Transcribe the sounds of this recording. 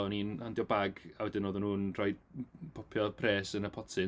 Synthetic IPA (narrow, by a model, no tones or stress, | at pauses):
ɔniːnhandjɔbaɡawɛdɪnoːðɪnhuːnrɔjdpʰɔpʰjɔpʰreːsənəpʰɔtʰɪ